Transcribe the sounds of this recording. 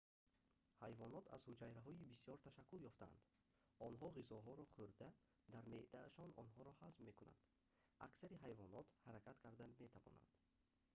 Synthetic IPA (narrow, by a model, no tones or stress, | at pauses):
hajvɔnɔt̪ʰa̰zhud͡ʒajɾaɦɔibisijɔɾt̪ʰaʃakːuljɔft̪aa̰nd̪ | ɔnɦɔʁizɔɦɔɾɔχuɾd̪a | d̪aɾmeʔd̪aːʃɔnɔ̰nɦɔɾɔhazbme̞kuna̰nd̪̥ | ʔaksaɾiɦajvɔnɔt̪haɾækʰat̪kʰaɾd̪ame̞t̪ʰavɔ̰na̰nd̪̥